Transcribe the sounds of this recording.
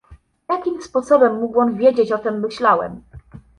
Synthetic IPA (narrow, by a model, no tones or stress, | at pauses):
jakʲimspɔsɔbɛmːuɡwɔnvʲjed͡ʑet͡ɕɔt̪ɛmːɘɕlawɛ̰m